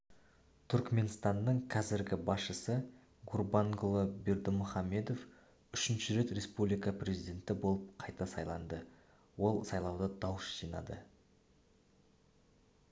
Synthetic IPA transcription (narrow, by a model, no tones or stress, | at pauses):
t̪ʰʏɾkme̞nst̪ɑnːəɴqʰɑzɪɾɡʲɪbɑsʃəsə | ɡurbɑŋɡolˠobeɾd̪ɪmʊχɑmːe̞d̪o̞f | ʏʃɪnʃɪɾe̞t̪re̞spublijkəprʲe̞zijd̪ʲe̞nt̪ɪbo̞lˠəp̚qʰɑjt̪ɑsɑjlˠɑ̰nd̪ə | wo̞lˠsɑjlˠɑwd̪əd̪ɑwəsʒ̥ijnɑ̰d̪ə̰